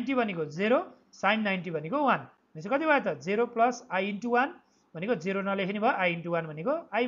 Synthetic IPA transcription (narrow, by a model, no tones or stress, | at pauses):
nʈibʱʌnekod͡zeɾo | sajnːajnʈibʱʌnekowan | mesokʌt̪ibʱaet̪ʌd͡zeɾoplʌsajinʈuwan | bʱʌnekod͡ziɾonʌlekʰinibʱʌjʔajinʈuwanbʱʌnekoaj